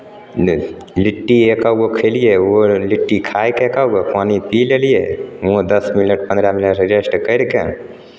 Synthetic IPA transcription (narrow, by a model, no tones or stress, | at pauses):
lɪʈːiekaɡokʰeːlijewolɪʈːikʰaːjkeːkauɡopaːnip̪ileːlijḛwõd̪əsmɪlnəʈ̚pənd̪ɾamɪləʈd͡ʒesʈkəɾkḛ̃